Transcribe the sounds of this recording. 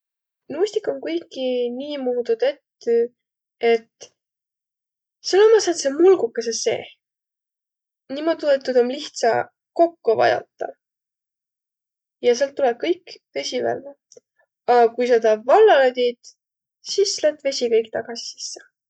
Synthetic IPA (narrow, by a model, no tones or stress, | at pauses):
nusʲt̪ikːˑo̞nkujkːiniːmuːd̪ud̪et̪ːy | e̞t̪ | selːomɑset̪semulɡukːˑesese̞̰ː | niːmod̪ʲuet̪ːud̪o̞mliht̪sɑ̰ | ko̞kːuvɑ̰jɑ̰t̪ːˑɑ̰ | jɑselt̪ːuleb̥̚kɤjkːve̞sʲivæ̰lːe | ɑkujset̪ɑːbvɑlːɑlɑd̪ʲid̪̥ | sislet̪ːve̞sʲikɤjkt̪ɑɡ̥ɑsi̥si̥sːe